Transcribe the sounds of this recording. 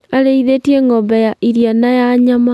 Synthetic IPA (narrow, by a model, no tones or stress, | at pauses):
aɾeiðetieŋɔbɛjaʔiɾjanajaɲama